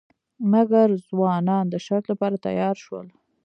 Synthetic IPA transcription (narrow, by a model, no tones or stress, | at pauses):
maɡaɾzwɑnɑnd̪əʃaɾt̪lapɑɾat̪a̰jɑɾʃwə̰l